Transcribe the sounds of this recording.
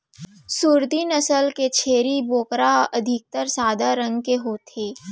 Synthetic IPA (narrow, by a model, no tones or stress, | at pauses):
suːɾd̪ʱinəsəlket͡ʃʰeːɾiboːkɾaʔɐd̪ʱɪk̚t̪əɾsaːd̪ʱaɾə̃ŋɡkeɦoːt̪ʰeː